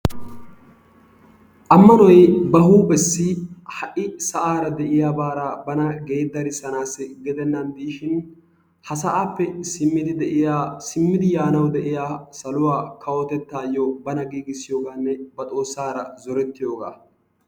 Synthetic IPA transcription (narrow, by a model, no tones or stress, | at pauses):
ʔɐmːɐnɔjbɐɦuːbɛsːɪhɐʔɪsɐʔaːɾɐd̪ɛʔɪjaːbaːɾaːbɐnɐɡe̞ːd̪ːɐɾɪsɐnaːsɛɡɛd̪ɛnːɐnd̪iːʃɪn | hɐs̬ɐʔaːpːɛsɪmːɪd̪ɪd̪ɛʔɪjaːsɪmːɪd̪ɪjaːnɐwd̪ɛʔɪjaːsɐlʊwaːkʰɐwɔt̪ɛt̪ːaːjːɔbɐnɐɡiːɡɪsːɪjoːɡaːnːɛbɐt̪ʼo̞ːsːaːɾɐzɔɾɛt̪ːɪjo̞ːɡa̰ː